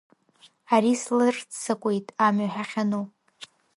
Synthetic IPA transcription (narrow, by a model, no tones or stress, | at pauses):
aɾislɨrt͡st͡sʰakʷʼe̞jtʼamaħaχʲanu